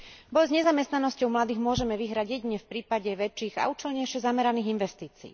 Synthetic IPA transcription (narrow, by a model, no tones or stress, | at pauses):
bɔjzɲɛzamɛst̪nanɔscɔʊmlad̪iːɣmʊɔʒɛmɛʋiɦɾaɟjɛɟiɲɛfpɾiːpaɟɛʋɛt͡ʃːiːɣa̰ut͡ʃɛlɲɛjʃɪɛzamɛɾaniːɣinʋɛst̪iːt͡sḭː